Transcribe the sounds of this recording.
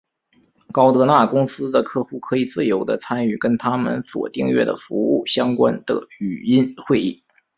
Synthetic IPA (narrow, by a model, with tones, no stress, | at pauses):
kɑ˥ʊt̪ɤ˧˥na˥˩kʊ˥ŋsɹ̩˥d̪ə˨kʰɤ˥˧xu˥˩kʰɤ˧˥i˨˩t͡sɹ̩˥˩jo˧˥ʊd̪ə˧t͡sʰa˥ny˥˩kə˥nt̪ʰa˥mə̰˨nswɔ̰˨˩t̪i˥˧ŋɥɛ̰˥˩d̪ə̰˩fu˧˥u˥˩ɕjɑ˥ŋkwa˥nd̪̥ə̰˧˩y˨˩i˥nxwe˥˧ɪi˥˩